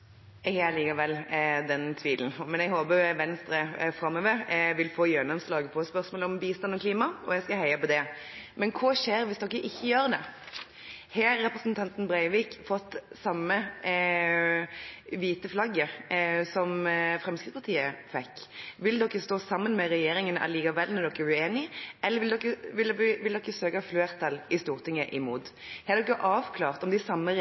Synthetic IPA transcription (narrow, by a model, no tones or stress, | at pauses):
ɛhæliːkɑʋɛlːd̪ɛnt̪ʰʋiːln̩mɛnɛɡhoːbəʋɛnst̪ɾəfɾɑmːəʋɛʋɪlfoːjɛnɔmslɑːɡəpʰɔspœʁsmoːlɔmbiːst̪ɑnɔkʰliːmɑɔjɛɡskɑhœɪəpɔd̪ɛ | mɛnkʰoːʃeːɾʋɪsd̪ɔkːəʔɪçːəjøːɾd̪ɛ | heːɛpɾəsnt̪ʰɑnt̪nbɾæɪʋiːkfɔt̪ːsɑmːə | ʋiːt̪əflɑɡːəsɔmfɾɛmskɪt̪spʰɑʁt̪ʰiːəfɛkːʋɪld̪ɔkːəst̪oːsɑmːənmɛʁɛjeːɾɪŋənəʔæ̰ʁliːkɑʋɛlnɔd̪ɔkːæʁʉeːnɪʔɛlːəʋɪld̪ɔkːəʋɪlʋɪld̪ɔkːəsøːkɑfløːʁt̪ʰɑlɪst̪uːɾt̪ʰɪŋːəʔɪmuːt̪ | hɑːɾd̪ɔkjʊʔɑːʋkʰlɑːʁt̪ɔmd̪ɪsɑmːə